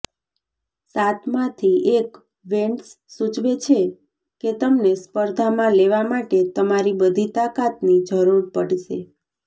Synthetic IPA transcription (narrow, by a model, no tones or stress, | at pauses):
sat̪ʰmãt̪ʰiek | ʋeɳʈsːut͡ʃʋet͡ʃʰe | ket̪əmnespəɾd̪ʱamãleʋamaʈet̪əmaɾibəd̪ʱit̪akat̪nid͡ʒʱəɾuɾpəɽʃḛ